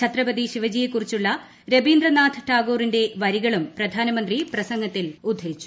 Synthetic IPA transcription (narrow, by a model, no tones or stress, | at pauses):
t͡ɕʰɐt̪rɐbɐd̪iʂiʋɐd͡ʑijekːurit͡ɕːuɭːɐ | ɾebiːnd̪rɐnaːt̪ʰɨʈaːɡo̞ːrinde̞ʋɐɾiɣɐɭumprɐd̪ʱaːnɐmɐnd̪riprɐsɐŋɡɐt̪ːilud̪ʱːeit͡ɕːu̥